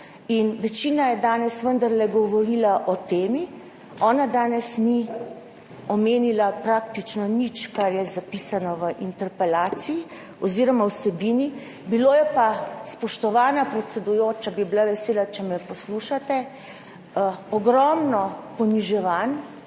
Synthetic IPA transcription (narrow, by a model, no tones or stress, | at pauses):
inʋɛt͡ʃiːnajɛd̪aːnɛsʋənd̪aɾlɛɡɔʋɔɾilaʔɔt̪eːmi | ɔːnad̪aːnɛsni | ɔmeːnilapɾak̚t̪it͡ʃnɔnit͡ʃkaɾjɛzapisanɔʋəʔint̪ɛɾpɛlaːt̪siː | ɔziːɾɔmawsɛbiːni | biloːjɛpaspɔʃt̪ɔʋaːnapɾɛt̪sɛd̪ujoːt͡ʃabibilaʋɛseːlat͡ʃɛmɛpɔsluʃat̪ɛ | ɔɡɾɔmnɔpɔniʒɛʋan